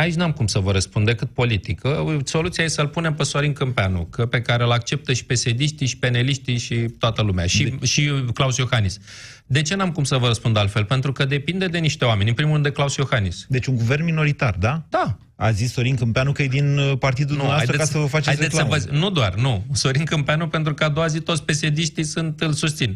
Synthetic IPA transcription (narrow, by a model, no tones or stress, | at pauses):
ait͡ʃʲnamkumsəvəɾəspund̪e̞kɨt̪̚po̞lit̪ikəso̞lut̪siajesəlpune̞mpeso̞ɾinkɨmpeanṵkəpe̞kaɾelakt͡ʃe̞p̚t̪əʃi̥pe̞se̞d̪iʃt̪iʃi̥pe̞neliʃt̪iʃit̪oat̪əlumeaʃiʃiklawsio̞xanis | d̪e̞t͡ʃe̞namkumsəvəɾəspund̪alt̪fe̞lpe̞nt̪ɾukəd̪e̞pind̪e̞d̪e̞niʃt̪e̞oamenʲɨnpɾimuɾrɨnd̪eklausio̞xanisd̪e̞t͡ʃuŋɡuve̞rnmino̞ɾit̪ard̪ad̪̥a | a̰zisːo̞ɾiŋkɨmpeanukəjed̪inpart̪id̪ud̪numeaajt̪ɾekasəvəfat͡ʃeajseləmvənud̪oarnuso̞ɾinkɨmpeanupe̞nt̪ɾukəad̪oazit̪ot̪sʲpe̞sed̪iʃt̪ijsɨnt̪ɨlsus̬t̪sin